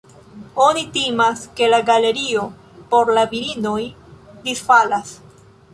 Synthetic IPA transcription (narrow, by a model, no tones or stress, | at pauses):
onitimaske̞laɡale̞ɾio̞ | po̞ɾlaviɾino̞j | disfalas